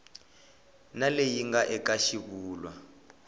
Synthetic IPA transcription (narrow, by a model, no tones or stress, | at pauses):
nalejiŋɡaʔɛkaʃiβuːlwa